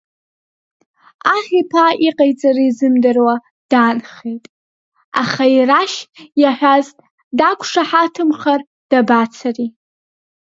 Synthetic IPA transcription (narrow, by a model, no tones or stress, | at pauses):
aχʲipʰaiqʼajt͡sʼarɨizɨmdɨrwa | d̥anχejtʼ | a̰χairaʃjaħʷᶣaztʼ | dakʷʰʂaħatʰɨmχar | d̥abat͡sʰari